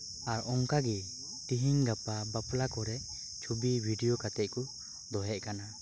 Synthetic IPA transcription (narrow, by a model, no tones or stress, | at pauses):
aɾɔŋkaɡɛ | ʈiɦiŋɡapabaplakɔɾɛ | t͡ʃʰubibʱiɖijɔkat̪ɛt̪̚ˀkɔ | d̪ɔɦɛʔ̚kana